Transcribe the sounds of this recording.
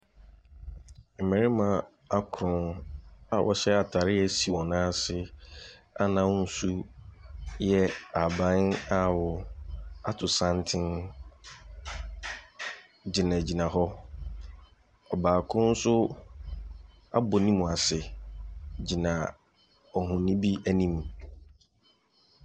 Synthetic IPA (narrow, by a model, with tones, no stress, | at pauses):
m̩˨mɛ̃˨ɾɪ˦mã˨ | a˦kʰɾʊ̃˨na˨wʔɔ̰˨ɕɛ˦a˨tʰa˨ɾɪ˦jɛ˦si˨wɔ̃˨nãː˦sɪ˦ | a̰˦nã˦n̩˦su˦ | jɛ˦a˨bã˦na˨wʊ˨a˦tʰʊ˨sã˦ntʰɪ̃˦n | d͡ʑɪ˨nã˨d͡ʑi˨nã˨ɦɔ˦ | ɔ˨baː˨kʰʊ̃˦n̩˦sʊ˦ | a̰˦bo˨nĩ˦mũ˨a˨sɪ˨ | d͡ʑi˨nã˨ | ɔ˨ɦʊ̃˨nĩ˦bi˦æ˦nĩ˦m